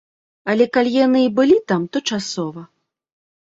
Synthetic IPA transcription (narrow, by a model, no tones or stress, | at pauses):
ɐlʲɛkalʲijanɨibɨlʲit̪amt̪ɔt͡ʂasɔvɐ